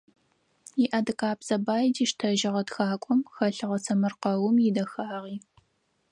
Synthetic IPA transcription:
jiʔɐdɨkʼaːbz̥ɐbaːjdiːʃtʰɐʒɪʁɐtxaːkʷʼɔmxɐɬɨʁɐsʰɐmɨrqɐwʊmjɪdɐxaːʁiː

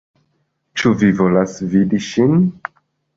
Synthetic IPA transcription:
t͡ʃuvivo̞lasvidiʃin

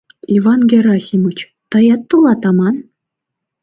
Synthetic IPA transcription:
ivɑnɡʲeɾɑsʲimut͡ɕ | t̪ɤ̆jɑt̪ːulˠɑt̪ɑmɑn

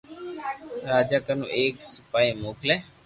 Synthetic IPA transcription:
ɾaːd͡ʒaːkənṵ̃ːʔeːksəpaːiːmoːkʰleː

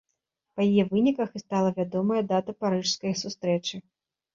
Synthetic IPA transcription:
pɐjijɛvɨnʲikɐxɨst̪alˠɐvʲad̪ɔmɐjɐd̪at̪ɐpaɾɨʂskɐjsust̪ɾɛt͡ʂɨ

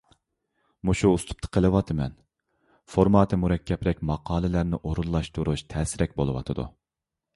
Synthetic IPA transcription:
muʃuːst̪ʰu̥p̚t̪ʰə̥qʰəlˠɨwɑt̪ʰɨmɛ̰n | foɾmɑːt̪ʰɨmuɾɛkʲʰːɛpɾɛkʲmɑqɑːlˠɨlæɾnɪʔoɾunlˠɑʃt̪ʰuɾuʃt̪ʰɛːsɪɾɛkʲbolˠɨwɑ̰t̪ʰɨd̪ṵ

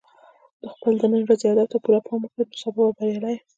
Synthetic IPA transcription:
d̪̥əxpəld̪ənənɾazejɑd̪awt̪apulapʰɑməkat̪ə̥sabawabaɾjɑlaj

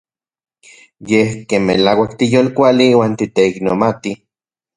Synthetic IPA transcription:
jehkemːelaːwak̚t̪ijoːlkʷaliwaːnt̪it̪eiknomat̪i

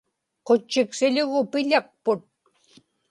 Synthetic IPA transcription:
qot͡ʃːɪksɪʎʊɣʊpɪʎɑq̚pʊt̪̚

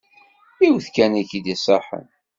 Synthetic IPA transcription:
iwθkænækid̪isˤɑħə̰n

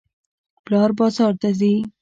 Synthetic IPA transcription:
plɑːɾbɑzɑːɾt̪azi

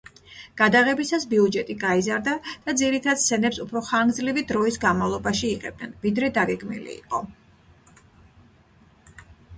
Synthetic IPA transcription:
ɡ̥ad̪aʁɛbisasbiud͡ʒɛt̪ʼiɡaizaɾd̪ad̪̥ad̪ziɾit̪ʰad̪sɛnɛpsupʰɾɔχanɡd̪zlivid̪ɾɔisɡanmavlˠɔbaʃiːqɛ̰b̥̚dnɛnvid̪ɾɛd̪aɡɛɡmḭlḭːqʼɔ

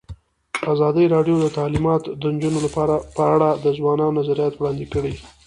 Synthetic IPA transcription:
azɑd̪əɾɑɖjod̪ət̪ɑlimɑt̪d̪ənd͡ʒunolapɑɾapəaɽad̪əzwɑnɑnonazaɾijɑt̪wɽɑnd̪ɪkəɽi

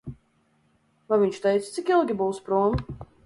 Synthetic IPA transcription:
vajviɲt͡ʃt̪ɛjt̪st̪sikilˠɡʲibuwspɾuɔm

